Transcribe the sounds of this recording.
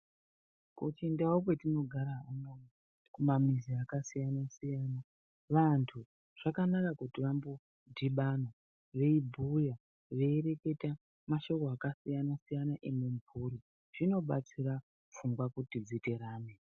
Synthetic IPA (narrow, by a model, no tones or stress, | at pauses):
kut͡ʃendawok̬we̞tino̞ɡʱaɾaɦanon | kumamiziakasijanasijaːna | ʋantʰu | ʐ̥akanakakutiʋambo | dʱiɓana | ʋe̞ibʱuja | ʋe̞ːɾe̞ke̞ta | maʃo̞koakasijanasijanaʔemuɱpuɾi | ʐ̥ino̞ɓat͡sira | fuŋɡwakutid͡zite̞ɾaːne